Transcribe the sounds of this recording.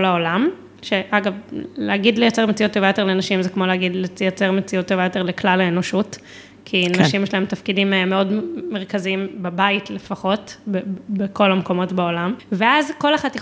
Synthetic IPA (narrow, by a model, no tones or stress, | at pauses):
laolam | ʃeʔaɡavleaɡidlejat͡seʁmet͡sijut̪ːovajo̞t̪elenaʃimzekmo̞leaɡidlejat͡seʁmet͡sijut̪ːovajot̪e̞leklalaeno̞ʃut | kʰinaʃimjɛʃlaemtafkidimmeo̞dmeʁ̞kaziimbebaitlefaχo̞tbebeko̞lamko̞mo̞tbao̞lamveazko̞leχati